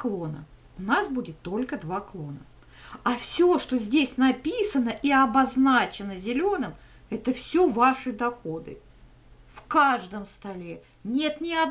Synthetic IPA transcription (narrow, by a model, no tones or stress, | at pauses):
klˠo̞nə̰ | ʊnasbudʲɪt̪ːo̞lʲkəd̪vaklˠo̞nə | afsʲoʂt̪o̞zʲdʲesʲnɐpʲisənəʔiɐbɐznat͡ɕɪnəzʲɪlʲo̞nɨm | ɛt̪əfsʲovaʂɨd̪ɐxo̞d̪ɨ̰ | fkaʐd̪əmst̪ɐlʲe | nʲe̞t̪nʲɪɐd̪